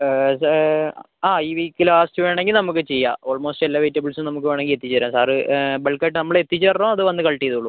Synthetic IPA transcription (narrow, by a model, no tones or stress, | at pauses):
s | aːiːʋiːkːilaːsʈɨʋe̞ːɳeŋɡilnɐmukːɨt͡ɕejːaːo̞ːlmoːsʈɨelːaːʋetːɐbɐlsɨmnɐmuk̬ːɨʋeːɳe̞ŋɡilet̪ːit͡ɕːɐɾaːsaːrɨbelkːɐʈːɨnɐmːɐɭet̪ːit͡ɕːɨɐrnoːɐðɨʋɐnːɨkɐɭʈːijɐðuuɭu